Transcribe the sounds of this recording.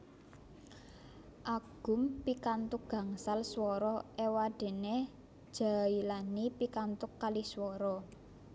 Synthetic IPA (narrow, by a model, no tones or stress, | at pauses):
ʔaɡ̥ʊ̤mpikant̪ʊk̚ɡ̥ä̤ŋsalswɔɾɔʔewaɖ̥e̤ne | d̥ʒ̥a̤ilanipikant̪ʊkːaliswɔɾɔ